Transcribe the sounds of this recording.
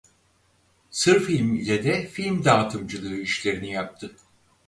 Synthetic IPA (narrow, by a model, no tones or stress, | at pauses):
sɯɾfilʲmilʲed̪ɛfilʲmd̪aːt̪ʰɯmd͡ʒɯlˠɯɯiʃlʲe̞ɾinijap̚t̪ʰɯ